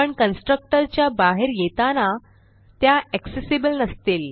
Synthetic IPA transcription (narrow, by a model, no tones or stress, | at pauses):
pəɳkənsʈɾək̚ʈəɾt͡ɕjabaɦeɾjet̪ana | t̪jaɛksesibəlnəst̪iːl